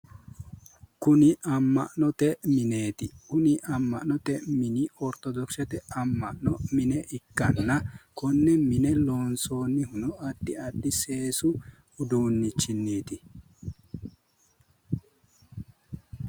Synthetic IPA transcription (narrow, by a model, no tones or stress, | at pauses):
kʊnɪʔɐmːɐ̰ʔnɔt̪ɛmɪneːt̪ɪkʊnɪʔɐmːɐ̰ʔnɔt̪ɛmɪnɪɔɾt̪ɔd̪ɔksɛt̪ɛɐmːɐ̰ʔnɔmɪnɛʔɪkːɐnːɐkɔnːɛmɪnɛloːnso̞ːnːɪhʊnɔɐd̪ːɪɐd̪ːɪseːsʊ | ʊd̪uːnːɪt͡ʃːɪnːeːt̪ɪ